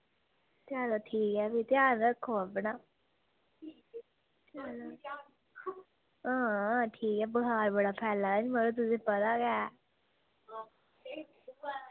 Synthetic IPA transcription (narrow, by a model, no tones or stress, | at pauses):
t̪jaːd̪aːʈʰiːkɛːbit̪ɪjaːnəkʰːoəpɳaː | t̪aːa | ãːʈʰiːkɛːbəɦaːɾbəɽaːpʰɛːlãːd͡ʒməloːt̪̬ʊsĩːpət̪aːɡɛː